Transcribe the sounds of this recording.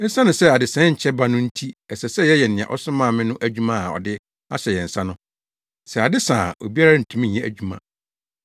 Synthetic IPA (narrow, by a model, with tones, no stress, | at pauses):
n̩˦sã˦nʊ̃˨sɛ˦a˨dɪ˨sɛ̃˦ɲ̩˨t͡ɕʰɛ˦ba˦nʊ̃˦n̩˦tʰi˦ɛ˨sɛ˨sɛ˦jɛ˦jɛ˨nɪ̃˨ã̰˨ʔɔ̰˦sʊ̃˦mã˦˨mɪ̃˦nʊ̃˦ʔæ˦d͡ʑᶣu˦mã˦a˨ɔ̰˨dɪ˦ | a˦sɛ˨jɛ˨n̩˨sã˦nʊ̃˦ | sɛ˨a˨dɪ˦sã˨o̰˨bi˦a˦ɾa˦n̩˨tʰũ˦mĩ˦˨ɛ˦æ̰˨d͡ʑᶣu˦mã̰˨